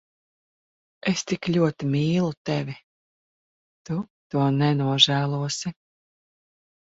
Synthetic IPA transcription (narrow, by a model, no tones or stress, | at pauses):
est̪iklʲuɔt̪imʲiːlˠut̪evʲi | t̪ut̪uɔnɛnuɔʒæːlˠuɔsi